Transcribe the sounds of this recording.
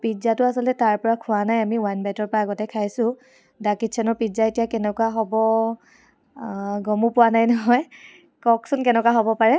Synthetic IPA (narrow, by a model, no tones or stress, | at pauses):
pizatʊasɔltɛtaɹpɔɹakʰʊanajamiwajnbajtɔɹpɔaːɡɔtɛkʰajsʊ̃ | dakitsʰɛnɔɹpizaetijakɛnɛkwaɦɔbɔ | ɡɔmupʊwanajnɔɦɔj | kɔksʊnkɛnɛkwaɦɔbɔpaɹɛ